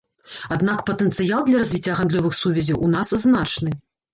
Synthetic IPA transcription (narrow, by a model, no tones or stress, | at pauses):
ad̪nakpɐt̪ɛnt̪sɨjalˠd̪lʲɐɾazʲvʲit͡sʲːɐɣand̪lʲɔvɨxsuvʲɛzʲiʔunasznat͡ʂnɨ